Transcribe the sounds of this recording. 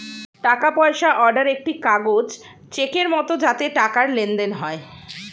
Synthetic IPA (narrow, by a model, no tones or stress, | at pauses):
ʈakapɔeʃaʔɔɾɖaɾek̚ʈikaɡod͡ʑ | t͡ɕekeɾmɔt̪od͡ʑat̪eʈakaɾlend̪enɦɔe